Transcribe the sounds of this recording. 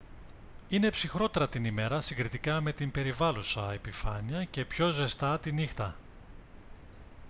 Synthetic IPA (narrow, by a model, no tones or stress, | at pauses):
ine̞psixɾo̞t̪e̞ɾɐt̪inime̞ɾɐsiŋɡɾit̪ikɐme̞t̪imbe̞ɾivɐlusɐe̞pifɐɲiɐce̞pço̞ze̞st̪ɐt̪inixt̪ɐ